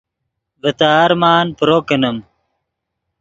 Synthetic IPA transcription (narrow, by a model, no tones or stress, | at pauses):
vət̪aːɾmaːnpɾoːkənəm